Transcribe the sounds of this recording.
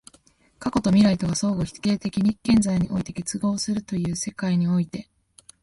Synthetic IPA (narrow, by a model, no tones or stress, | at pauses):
kako̞t̪o̞mʲiɾait̪o̞ɡaso̞ːɡo̞çi̥ke̞ːt̪e̞kʲiɲ̟ikːẽ̞nzaiɲ̟iʔo̞̰it̪e̞ke̞t͡sɨɡo̞ːsɨɾɯ̟t̪o̞jɯ̟ːse̞kaiɲ̟io̞it̪e̞